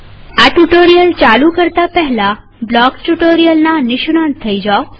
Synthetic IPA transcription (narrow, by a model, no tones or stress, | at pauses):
aʈuʈoɾijəlt͡ʃalukəɾt̪apəɦla | blɔkʈuʈoɾijəlnanɪʃunant̪ʰːəid͡ʒao